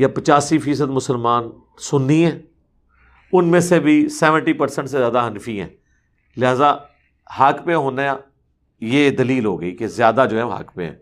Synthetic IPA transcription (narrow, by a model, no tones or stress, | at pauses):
japət͡ʃaːsifiːs̬əd̪mʊsəlmaːn | sʊnːiɦɛ̃ː | ʊnmẽsebʱisɛːʋə̃ɳʈiːpəɾsə̃ɳʈsezjaːd̪aɦənfiɦɛ̰̃ː | lɪɦaːza | hɐkpẽɦoːnajaː | jeːd̪əliːlɦoːɡəiːkezɪjaːd̪ad͡ʒoːɦɛoɦɐ̰kpḛ̃ɦɛ̰̃ː